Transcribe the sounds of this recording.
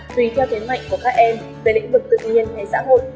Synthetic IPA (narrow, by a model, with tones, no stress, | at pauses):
t̪wi˧˩t̪ʰɛ˧wt̪ʰe˨˦ma̰˧˨jŋ̟ku˧˩əkaː˦˥k̚ʔɛ˧m | ve˨˩lḭ̈˧˥ŋ̟vɨ˨˩k̚t̪ɨ˨˩k̚ɲi˧ənt̪ʰe˧˩sa̰ː˧˥ɦo̰˧˨j